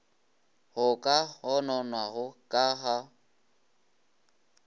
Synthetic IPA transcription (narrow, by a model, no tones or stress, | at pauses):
hʊkʼahɔnɔnwaɦʊkʼaɦa